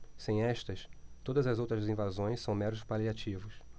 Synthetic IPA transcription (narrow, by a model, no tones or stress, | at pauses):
sẽj̃ɛʃt̪ɐst̪od̪ɐzɐzowt̪ɾɐzzĩvazõj̃ssːɐ̃w̃mɛɾʊzʊspaliat͡ʃivʊs